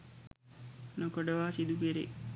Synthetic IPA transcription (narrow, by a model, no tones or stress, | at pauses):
nokoɖəʋaːsid̪ukeɾḛ